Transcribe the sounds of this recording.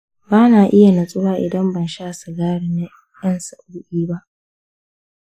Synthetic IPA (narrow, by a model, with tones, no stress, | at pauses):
baː˦naː˨ʔɪ˦ja˨na˨sʼʊ˦waː˦ʔɪ̰˨dɐ˦mbɐ˨nʃaː˦sa˨ɡaː˦ɽɪ˨na˦ | jɐ˦nsa˨ʔʊ˦ɽʊ˦ʔiː˦ba˦ʔ